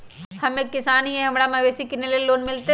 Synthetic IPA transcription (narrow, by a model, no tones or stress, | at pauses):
hɐmeːkːɪsaːnɦiẽɦɐmɽamɐʋeːsikɪneleloːnmɪlt̪e